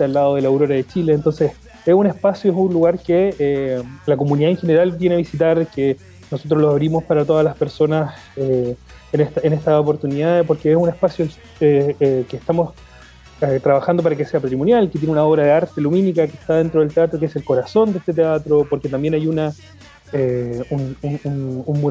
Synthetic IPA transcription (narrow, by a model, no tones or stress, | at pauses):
et̪alːaðoðelawɾo̞ɾaðet͡ʃileːnt̪o̞nses | esune̞hpasjoesunluɣaɾkeelako̞muniðaenxe̞neɾalt̪jeneaβisit̪aɾke | nosot̪̬ɾoloaβɾimo̞spaɾat̪o̞ðalaspe̞ɾso̞nas | e | eneht̪aenest̪aopo̞ɾt̪uniðaðepo̞ɾkeesune̞hpasjo | eekeht̪amo̞s | et̪ɾaβaxand̪o̞p̬aɾakese̞apat̪ɾimo̞njalket̪jenunao̞βɾaðeaɾt̪eluminikakeht̪aðe̞nt̪ɾoð̞elt̪e̞at̪ɾo̞keese̞lko̞ɾaso̞nd̪est̪et̪̬eat̪ɾo̞po̞ɾke̞t̪ambje̞najuna | eunuununmu